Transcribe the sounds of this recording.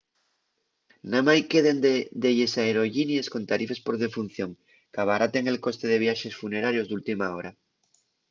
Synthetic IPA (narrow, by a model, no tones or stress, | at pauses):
namajkeðend̪d̪eʝesaeɾo̞ʝinjesko̞nt̪aɾife̞spo̞ɾð̞e̞fun̟θjo̞ŋ | kaβ̞aɾat̪eŋe̞lko̞st̪e̞ð̞e̞βjaʃe̞sfune̞ɾaɾjo̞zðult̪imao̞ɾa